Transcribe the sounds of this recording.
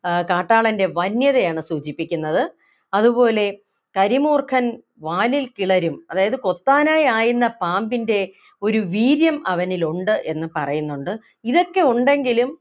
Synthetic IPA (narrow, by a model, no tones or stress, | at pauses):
kaːʈːaːɭɐnde̞ʋɐnjɐðejaːɳɨsuːt͡ɕipːikʲːunːɐðɨ | ɐðubo̞ːle̞ | kɐɾimuːrkʰɐn | ʋaːlilkiɭɐɾumɐðaːjɐðɨko̞t̪ːaːnaːjaːjunːɐpaːmbinde̞ | o̞ɾuʋiːɾjɐmɐʋɐniluɳɖɨʔe̞nːɨpɐrɐjunːuɳɖɨ | iðo̞kːe̞uɳɖe̞ŋɡilum